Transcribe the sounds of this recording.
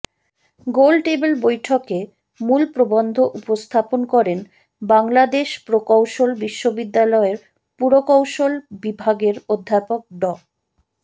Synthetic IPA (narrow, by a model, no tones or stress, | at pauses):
ɡolʈebelbojʈʰoke | mulpɾobond̪ʱoʔupost̪ʰaponkɔɾen | baŋlad̪eʃpɾokawʃolbiʃːobid̪ːalɔeɾ | puɾokawʃolbibʱaɡeɾod̪ʱːapok̚ɖɔ